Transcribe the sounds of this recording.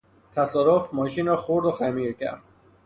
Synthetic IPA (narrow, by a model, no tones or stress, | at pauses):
t̪ʰæsɒːɾofmɒːʃiːnɾɒːxoɾd̪oxæmiːɾcʰæ̰ɾd̪̥̚